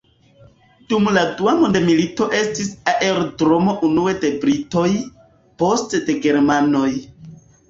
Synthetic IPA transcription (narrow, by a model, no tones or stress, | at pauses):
d̥umladuamondemilito̞ʔe̞stisaʔe̞ɾdɾo̞mo̞ʔunue̞de̞bɾito̞j | po̞stde̞ɡe̞ɾmano̞j